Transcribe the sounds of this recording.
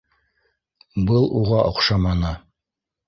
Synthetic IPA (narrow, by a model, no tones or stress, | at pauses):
bɤlˠuʁɑʔŏqʃɑmɑnɤ